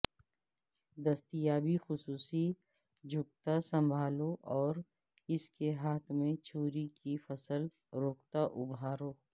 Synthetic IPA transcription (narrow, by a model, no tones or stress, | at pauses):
d̪ɐst̪ijaːbixʊsuːsi | d͡ʒʱʊk̚t̪asə̃mbʱaːloʔɔːɾ | ɪskeɦaːt̪ʰmẽt͡ʃʰoːɾikifəsəl | ɾoːkt̪aʔʊbʱaːɾoː